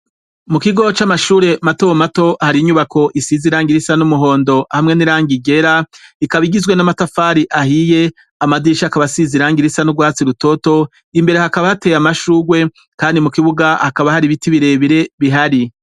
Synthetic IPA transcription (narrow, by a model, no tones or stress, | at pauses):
mukiɡo̞t͡ʃamaʃuːɾe̞matowomato̞haɾiɲuβakʰo̞ʔisiziɾaːŋɡiɾisanumuɦo̞ːndo̞ʔhamŋe̞niɾaːŋɡiɡe̞ɾaikaβiɡizɡwe̞namatafaːɾiʔahije̞ | amadiʃakaβasiziɾaːŋɡiɾisanuɡwaːt͡siɾuto̞to̞ | imbe̞ɾe̞hakaβahate̞jamaʃuːɡwe̞ | kaːndimukiβuɡahakaβahaɾiβitiβiɾe̞βiɾe̞βiɦaɾi